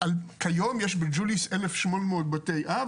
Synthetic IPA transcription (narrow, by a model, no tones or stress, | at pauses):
alkajo̞mjeʃbed͡ʒuliselefʃmo̞nmeod̚batejʔa